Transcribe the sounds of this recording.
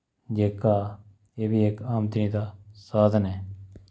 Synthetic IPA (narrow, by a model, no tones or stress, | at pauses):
d͡ʒeːkaː | eːbʱiːeːkaːmd̪nĩːd̪aːsaːd̪ʱəneː